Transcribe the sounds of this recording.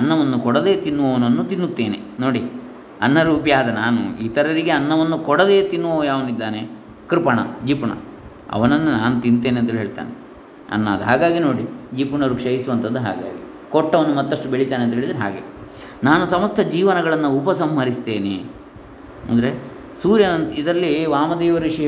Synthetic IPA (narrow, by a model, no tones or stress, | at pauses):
ɐnːɐʋɐnːukɔɽɐd̪e̞ːt̪inːuʋɐʋɐnɐnːut̪inːut̪ːe̞ːnḛno̞ːɽi | ɐnːɐɾuːpjaːd̪ɐnaːnṵiːt̪ɐɾɐɾiɡe̞ɐnːɐʋɐnːukɔɽɐd̪e̞ːt̪inːuʋoːjaːʋɐnid̪ːaːne | kɾipɐɳɐ̰d͡ʒiːpuɳɐ̰ | ɐ̰ʋɐnɐnːunaːnut̪int̪eːneɐnt̪ɐeːɭɦeːɭt̪a̰ːne | ɐ̰nːaːd̪ɐɦaːɡaːɡinoːɽid͡ʒiːpuɳɐɾukʂɐjisuʋɐnt̪ʰɐd̪ːuɦa̰ːɡa̰ːɡi | kɔʈːɐʋɐnːumɐt̪ːɐʂʈubeɭit̪aːneɐnt̪ɐɦeɭid̪ɾiɦa̰ːɡḛ | naːnusɐmɐst̪ʰɐd͡ʒiːʋɐnɐɡɐɭɐnːɐupɐsɐmɦɐɾist̪e̞ːnḛ | ɐ̰nd̪ɐɾe̞ | suːɾjɐnɐnt̪id̪ɐɾɐlːiʋaːmɐd̪eːʋɐɾʋiʂi